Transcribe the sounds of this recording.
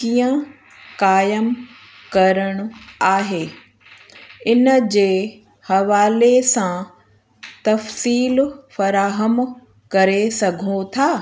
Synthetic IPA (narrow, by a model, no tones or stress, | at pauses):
kijə̃ | kaːjəm | kɐɾəɽ̃ʊ̆aːɦeː | ɪnəd͡ʑeː | hɐʋaːlesã | t̪ɐfsiːlfɐɾaːɦəm | kɐɾesɐɡʱõt̪ʰaː